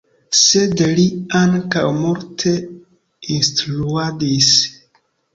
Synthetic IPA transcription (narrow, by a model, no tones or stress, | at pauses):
sedliaŋka̰wmuɾtʰe̞ | instɾuadis